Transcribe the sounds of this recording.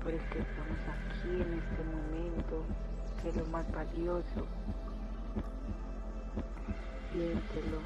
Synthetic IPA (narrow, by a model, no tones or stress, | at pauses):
poɾeskest̪amosakʰiene̞st̪emo̞mẽnt̪o | kelomazbaljoso | jent̪elo